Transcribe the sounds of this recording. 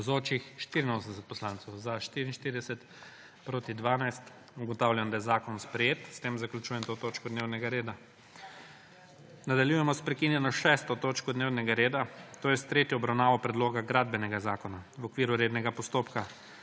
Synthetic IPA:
zoːt͡ʃixʃt̪iɾinoːsnɛsɛt̪̚pɔslaːnt̪sɛwzaʃt̪iɾinʃt̪iɾid̪ɛsɛt̪ | pɾoːt̪id̪ʋaːnajst̪ | uɡɔt̪awlʲjand̪ajɛzaːkɔnspɾɛjeːt̪st̪emzaklʲut͡ʃuːjɛmt̪ot̪oːt͡ʃkɔd̪neːwnɛɡaɾeːd̪a | nad̪aljujɛmɔspɾɛkinjɛnɔʃɛːst̪ɔt̪oːt͡ʃkɔd̪newnɛɡaɾeːd̪at̪oːjɛst̪ɾeːt̪jɔbɾawnaːʋɔpɾɛd̪loːɡaɡɾaːd̪̚bɛnɛɡazaːkɔnawɔkʋiːɾuɾed̪nɛɡapɔst̪oːpka

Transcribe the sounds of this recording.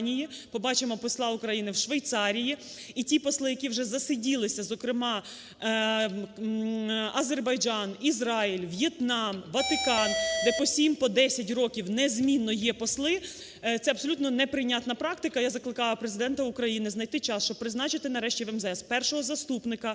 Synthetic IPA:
nʲijipɔbɑt͡ʃɪmɔpɔslˠɑukɾɐjinɪwʃʋejt̪sɑɾʲiji | itʲipɔslˠɪjɐkʲiwʒɛzɐsɪdʲilˠɪsʲɐzɔkɾɪmɑ | ɐzerbɐjd͡ʒɑnizrɑilʲʋjet̪nɑmʋɐt̪ɪkɑnd̪ɛpɔsʲimpɔd̪ɛsʲɐtʲrɔkʲiwnɛzʲmʲinːɔjɛpɔslˠɪ | t̪sɛɐbsɔlʲut̪nɔnɛpɾɪnʲat̪nɐpɾɑkt̪ɪkɐjazɐklˠɪkɑjɐpɾezɪd̪ɛnt̪ɐukɾɐjinɪznɐjt̪ɪt͡ʃɑst͡ʃɔb̚pːɾɪznɑt͡ʃɪt̪ɪnɐɾɛʃtʲiʋɛmzɛspɛrʃɔɦɔzɐst̪upnɪkɐ

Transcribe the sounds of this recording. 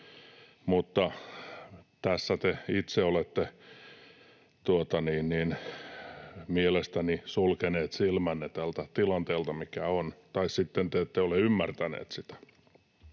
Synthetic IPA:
mut̪ːɑ | t̪æsːæt̪eit̪seolet̪ːe | t̪uot̪ɑniːnniːn | mielest̪ænisulkeneːt̪silmænːet̪ælt̪æt̪ilɑnt̪eːlt̪ɑmikæont̪ɑissit̪ːent̪eet̪ːeoleymːært̪ænḛːt̪sit̪æ̥

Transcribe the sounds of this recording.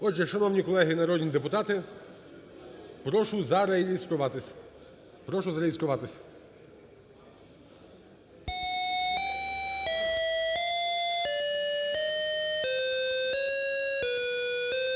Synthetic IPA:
ɔd͡ʒɛʃɐnɔwnʲikɔlˠɛɦɪnɐɾɔdʲnʲid̪epʊt̪ɑt̪ɪ | pɾɔʃʊzɐɾeist̪ɾʊʋɑt̪ɪsʲ | pɾɔʃʊzɐɾejist̪ɾʊʋɑt̪ɪsʲ

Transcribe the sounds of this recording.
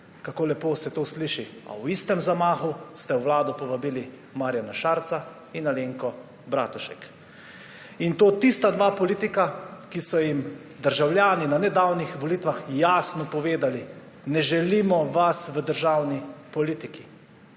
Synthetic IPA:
kakoːlɛpoːsɛt̪oːsliʃia̰wist̪ɛmzamaːxust̪ɛwʋlaːd̪ɔpɔʋabiːli | maːɾjanaʃaːɾt̪sa | inaleːŋkɔ | bɾaːt̪uʃɛk | int̪oːt̪ist̪ad̪ʋaːpɔliːt̪ikakisɔjim | d̪əɾʒawljaːninanɛd̪awnixʋɔlit̪ʋaxjaːsnɔpɔʋeːd̪ali | nɛʒɛliːmɔʋasʋəd̪əɾʒaːwnipɔliːt̪iki

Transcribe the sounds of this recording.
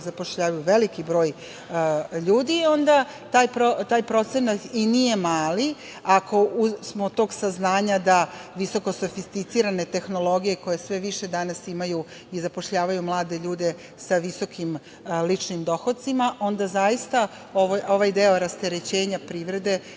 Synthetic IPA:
zapo̞ʃʎaːʋajuʋe̞likibɾo̞ːj | ʎuːd̪io̞nd̪a | t̪aːjpɾot̪aːjpɾo̞t̪se̞nat̪inije̞maːli | akʰo̞usmot̪o̞ːɡsaznaːɲad̪aʋiso̞ko̞so̞fist̪it̪siɾane̞t̪e̞xno̞lˠo̞ɡije̞ko̞je̞sʋe̞ʋiʃe̞d̪anasimaju | izapo̞ʃʎaːʋajumlˠaːd̪e̞ʎuːd̪e̞ | saʋiso̞kʰim | lit͡ʂnimd̪o̞xot̪̚simaʔo̞nd̪azajist̪a | oʋojo̞ʋajd̪eo̞ɾast̪e̞ɾet͡ɕe̞ːɲapɾiːʋɾe̞d̪e̞

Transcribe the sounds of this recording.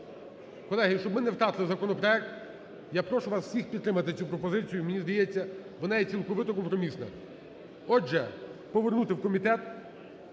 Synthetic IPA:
kɔlˠɛɦɪʃt͡ʃɔbmɪnɛwt̪ɾɑt̪ɪlˠɪzɐkɔnɔpɾɔɛk̚t̪ | japɾɔʃʊʋasw̥sʲixpʲid̪t̪ːɾɪmɐt̪ɪt͡sʲupɾɔpɔzɪt͡sʲijʊmenʲizd̪ɐjɛt͡sʲːɐʋɔnajɛt͡sʲilˠkɔʋɪt̪ɔkɔmpɾɔmʲisnɐ̰ | ɔʒɛpɔʋernut̪ɪwkɔmʲit̪ɛt̪

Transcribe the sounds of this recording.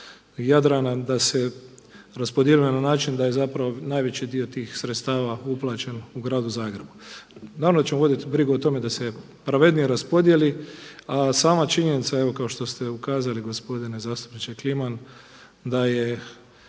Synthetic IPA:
jad̪ɾanad̪ase | ɾaspo̞d̪jelumenanaːt͡ʃind̪aje̞zapɾaʋo̞naːjʋe̞t͡ɕid̪io̞t̪iːxsɾet̪st̪aːʋauplˠat͡ʃe̞nuɡɾaːd̪uzaːɡɾe̞bunaːɾavmnod̪at͡ɕt͡ʃemoʋo̞d̪it̪bɾiɡuot̪o̞me̞d̪ase̞ | pɾaʋe̞d̪nijeɾaspo̞d̪je̞liasaːmat͡ʃiɲenit̪saeʋo̞kao̞ʃt̪o̞st̪e̞ukaːzaliɡo̞spo̞d̪inezaːst̪upnit͡ʃekliman | d̪aje

